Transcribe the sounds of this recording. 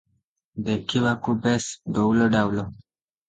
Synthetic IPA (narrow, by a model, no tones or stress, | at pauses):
dekiwakubesdowloɖawlo